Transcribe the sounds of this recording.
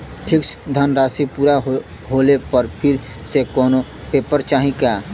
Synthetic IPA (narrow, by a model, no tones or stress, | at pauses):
ʈʰɪksd̪ʱənɾaːsipuːɾa | ɦoːlepəɾpʰɪɾ | sekɔːno | peːpəɾt͡ʃaːɦĩkaː